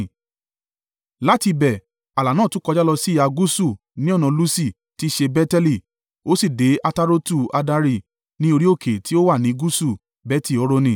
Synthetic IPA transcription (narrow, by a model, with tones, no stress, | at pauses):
la˨˦ti˧bɛ˨ | a˨la˨nãː˦˨tũ˦kɔ˧d͡ʒa˦lɔ˧si˦˨a˧ɡu˦su˦˨ | nĩ˦ɔ˦˨nã˨˧lu˦si˦˨ | ti˦ʃe˧bɛ˦tɛ˧li˦˨ | o˦si˦˨de˨˦ʔa˧ta˦ɾo˦tu˦˨a˧da˧ɾi˦˨ | nĩ˦o˧ɾi˦o˦˨kʰe˨ti˦o˦wa˦˨nĩ˨˦ɡu˦su˦˨ | bɛ˦ti˦˨ɔ˨˦ɾo˧nĩ˧˨